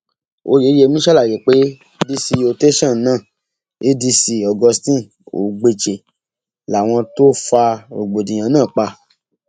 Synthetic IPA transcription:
o̰˧je˨˦e˧˦mĩ˦ʃɛ˦la˨je˨k͡pe˦ | di˧si˧o˧te˦ʃã˦˨˦nãː˦˨ | e˦di˧si˧ɔ˨ɡɔ˧stĩ˦˨ | o̰˨ɡ͡be˧t͡ʃe˨ | la˨w̃ɔ̃˧to˦fa˧o˨ɡ͡bo˨dĩ˨j̃ã˨˦nãː˦˨k͡pa˧

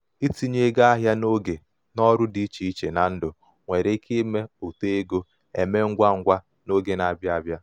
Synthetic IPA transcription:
i˦ti˨ɲe˦ɡa˦a˦ɦja˦no˦ɡe˨ | nɔ˦ɾʊ˦di˦t͡ʃi˨i˦t͡ʃe˨na˨n̩˦dʊ˨ | ŋʷe˨ɾe˦kʰe˦me˦o˨te˦e˦ɡo˦ | e˨me˦ŋ̩˦ɡʷa˦ŋ̩˦ɡʷa˦ | no˦ɡe˨na˨bja˦a˦bja˦

